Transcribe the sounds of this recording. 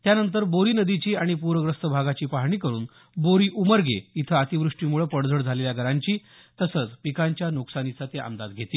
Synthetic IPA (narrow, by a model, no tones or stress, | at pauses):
t̪janənt̪̬əɾboɾiːnəd̪it͡ɕiːaɽ̃ipuɾʋəɡɾəst̪əbʱaɡat͡ɕiːpaɦɳiːkəɾṵːn | boɾiːʔuməɾɡʱeit̪ʰəət̪iʋɾuʂʈiːmuɭəpəɽd͡zʱəɽd͡zʱaleljaɡʱəɾaɲt͡ɕiː | t̪əsət͡spikaɲt͡ɕjanuksanit͡sat̪eʔa̰md̪ad̪ɡʱet̪iː